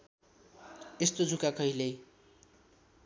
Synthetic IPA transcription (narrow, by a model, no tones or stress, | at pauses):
est̪od͡zʱukakʌɦilej